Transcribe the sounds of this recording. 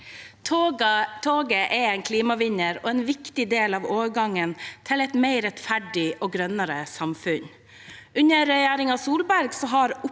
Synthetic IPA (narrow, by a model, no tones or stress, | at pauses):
t̪ʰoːɡəʔɛɛɪnkʰliːmɑʋɪɲəɾɔːɛːnʋɪkt̪ɪd̪eːlɑʋoːɡɑŋːənt̪ʰɪlɛɪt̪mæɪɾɛt̪fæɖɪʔoːɡɾœnəɾəsɑmfʉɲ | ʉɲəɾɛjæːɾɪŋɑsuːlbæɾɡsɔɦɑɾʊ